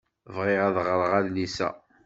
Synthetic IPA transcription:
vʁɪʁæðʁəɾˤʁæðlisæ̰

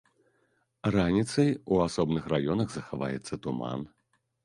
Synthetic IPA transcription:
ranʲit̪sɐjuasɔbnɨxrajɔnɐɣzɐxava̰jɛt̪sːɐt̪uma̰n

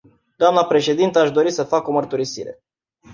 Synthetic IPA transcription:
d̪oamnəpɾe̞ʃe̞d̪int̪əaʃd̪o̞ɾisəfako̞mərt̪uɾisḭɾe

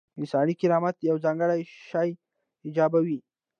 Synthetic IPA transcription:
ɪnsɑnikɪɾɑmat̪jawzɑŋɡəɽajʃɑj | ɪd͡ʒɑbawi

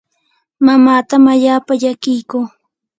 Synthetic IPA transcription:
mamaːt̪amaʎaːpaʎakɪjkuː

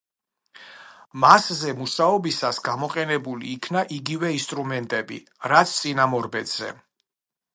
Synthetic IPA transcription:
maszɛmuʃaɔbisasɡamɔqʼɛnɛbulḭːkʰnaʔiɡivɛinst̪ʼɾumɛnt̪ʼɛbḭ | ɾat̪sʰt̪sʼinamɔɾbɛt̪z̥ɛ̰

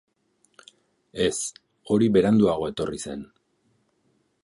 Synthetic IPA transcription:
e̞s | o̞ɾiβe̞ɾand̪uaɣ̞o̞e̞t̪o̞rise̞n

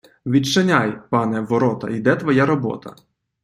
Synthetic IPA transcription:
ʋʲit͡ʃɐnʲajpɑnɛʋɔɾɔt̪ɐ̰id̪ɛt̪ʋɔjaɾɔbɔ̰t̪ɐ̰

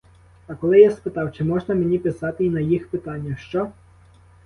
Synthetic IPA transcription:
ɐkɔlˠɪjaspɪt̪ɑwt͡ʃɪmɔʒnɐmenʲipɪsɑt̪ɪinɐjixpɪt̪ɑnʲːɐʃt͡ʃɔ

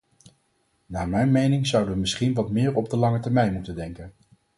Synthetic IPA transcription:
naːmɛjnmejnɪŋzʌwdəʋəmɪsχinʋɑtmɪːɹɔb̚dəlɑŋətɛɹmɛjnmutəndɛŋkən

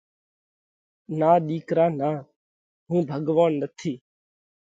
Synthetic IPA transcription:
naːɗiːkɾaːnaː | ɦũːbʱəɠʋaːnːət̪ʰiː

